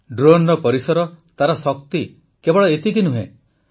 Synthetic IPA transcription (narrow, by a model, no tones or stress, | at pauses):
ɖɾonɾɔpɔɾisɔɾɔt̪aɾɔsɔk̚t̪i | kebɔɭɔet̪ik̬inuɦḛ̃